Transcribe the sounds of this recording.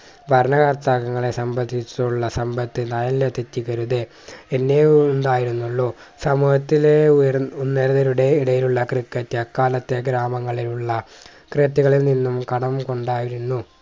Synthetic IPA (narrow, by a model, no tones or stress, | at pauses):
bʱɐɾɐnɐɣart̪aːɣɐŋːɐɭe̞sɐmbɐd̪ʱːit͡ɕːuɭːɐsɐmbɐt̪ːɨnaːjɐlilet̪etːiɣɐɾuðe | enːenɖaːjiɾunːuɭːo | sɐmuːhɐt̪ːilejunːeɾɐðɐɾuɽeiɽɐjiluɭːɐkrikːɐtːɨɐkːaːlɐt̪ːe̞ɡɾaːmɐŋːɐɭiluɭːɐ | kret̪ːiɣɐɭilninːumkɐɽɐmko̞ɳɖaːjiɾunːu